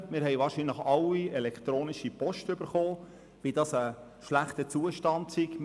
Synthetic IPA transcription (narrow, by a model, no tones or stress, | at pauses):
mɪːɾɦɛjvɑːɾʃinləχɑlːiɛlɛkʰtɾoːniʃipɔʃtʏb̥əɾχoː | vidɑsə | ʃlæχtət͡suːəʃtɑndsiɡ